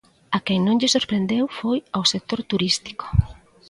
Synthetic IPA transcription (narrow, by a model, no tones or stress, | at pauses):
akeŋnõŋʎesoɾpɾend̪ewfojawsek̚t̪oɾt̪uɾist̪i̥ko̥